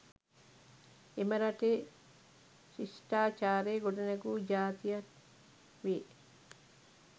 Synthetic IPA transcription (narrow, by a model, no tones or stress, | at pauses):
emɐɾɐʈeː | sisʈaːt͡ʃaːɾeːɡoʈɐnɐɡuːd͡ʒaːt̪ijɐ | ʋeː